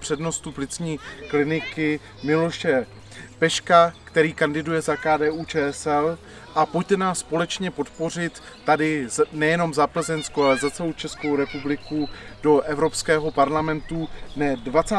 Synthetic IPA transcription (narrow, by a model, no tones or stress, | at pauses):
pr̥ɛdno̞st̪uplɪt͡sɲiːklɪnɪkɪ | mɪlo̞ʃɛ | pɛʃkakt̪ɛɾiːkandɪdujɛzakaːdɛːʔuːt͡ʃɛːɛsɛl | ʔapoct̪ɛnaːspo̞lɛt͡ʃɲɛpo̞t̪po̞r̝ɪt̪ːadɪnɛjɛno̞mzapl̩zɛnskoalɛzat͡sɛlowt͡ʃɛsko̞wɾɛpublɪkudo̞ʔɛvɾo̞pskɛːɦo̞paɾlamɛnt̪unɛdvat͡saː